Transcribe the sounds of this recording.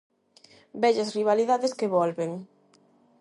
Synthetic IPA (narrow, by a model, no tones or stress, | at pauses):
bɛʎɐsriβ̞aliðaðeskeβɔlβeŋ